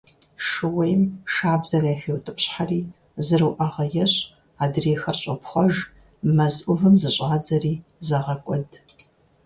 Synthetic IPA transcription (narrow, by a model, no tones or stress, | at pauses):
ʂɨwɐjmʃaːbzɐraːxeːwtʼɨpɕħariː | zɨrɨwʔɐʁɐjɛɕʼ | aːdreːxɐrɕʼɐpχʷɔʒ | mɐzʔʷʊvɨmzɨɕʼaːd͡zɐriːzɐʁɐkʷʼɔd